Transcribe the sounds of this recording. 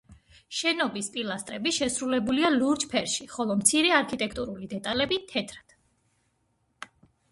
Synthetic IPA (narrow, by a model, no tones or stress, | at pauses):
ʃɛnɔbispʼilˠast̪ʼɾɛbiʃɛsɾulɛbulialuɾt͡ʃpʰɛɾʃiχɔlˠɔmt̪sʰiɾɛaɾkʰit̪ʼɛkʰt̪ʼuɾulid̪ɛt̪ʼalɛbit̪ʰɛt̪ʰɾad̪̥